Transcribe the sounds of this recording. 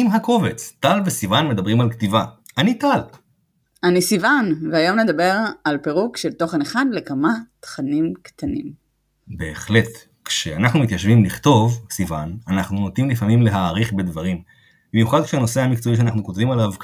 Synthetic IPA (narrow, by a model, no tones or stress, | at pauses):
mɦako̞ve̞t͡stalvesivanme̞d̪abʁimalkt̪ivaʔanit̪al | anisivanveajo̞mne̞d̪abe̞ʁalpe̞ʁukʃelt̪o̞χeneχanlekamat̪χanimkt̪anḭm | be̞ːχle̞t | kʃeanaχnumit̪jaʃvimliχt̪o̞vsivananaχnunot̪imlifamimle̞ɦaːʁiχbe̞d̪vaʁim | bimjuχad̪̚kʃeano̞se̞hamikt͡soiʃeanaχnukotvimalav